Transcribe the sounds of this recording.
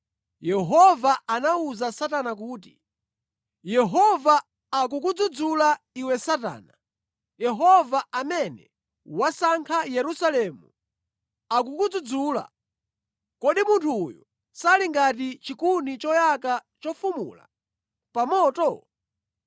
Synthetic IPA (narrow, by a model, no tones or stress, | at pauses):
jɛɦɔvaanauzasatanak̬uːt̬i | jɛɦɔvaː | k̬uk̬ud͡zud͡zula | iwɛsata̰ːna | jɛɦɔvaʔamɛnɛ̰ | wasaŋkʰajɛɾusalɛːmṵ | ak̬ukud͡zud͡zula̰ | kɔɗimuntʰujɔ | saliŋɡat̬it͡ʃikunit͡ʃɔjakat͡ʃɔfumṵla̰ | pamɔːtɔ